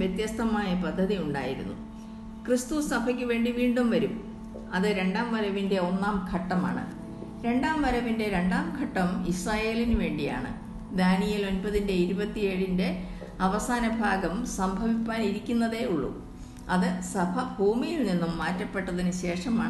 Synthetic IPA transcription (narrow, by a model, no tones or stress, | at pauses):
ʋjet̪jɐst̪ɐmaːjɐpɐd̪ʱːɐðiuɳɖa̰ːjiɾṵnːṵ | krist̪usɐbʱɐkʲːɨʋe̞ːɳɖiʋiːɳɖumʋɐɾum | ɐðɨɾe̞ɳɖaːmʋɐɾɐʋinde̞o̞nːaːmkʰɐʈːɐma̰ːɳɨ̰ | ɾe̞ɳɖaːmʋɐɾɐʋinde̞ɾe̞ɳɖaːmkʰɐʈːɐmisraːje̞ːlinuʋe̞ːɳɖija̰ːɳɨ̰ | d̪aːnijɐlo̞nbɐðinde̞iɾubɐt̪ːieɻinde̞ | ɐʋɐsaːnɐbʱaːɡɐmsɐmbʱɐʋipːaːniɾikʲːunːɐðe̞uɭːṵ | ɐðɨsɐbʱɐbʱuːmijilninːumːaːtːɐpːeʈːɐðinɨɕe̞ːʂɐma̰ːɳ